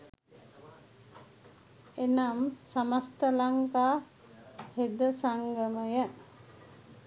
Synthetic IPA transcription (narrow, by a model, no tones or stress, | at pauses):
enamsamast̪əlaŋkaː | hed̪əsaŋɡəməjə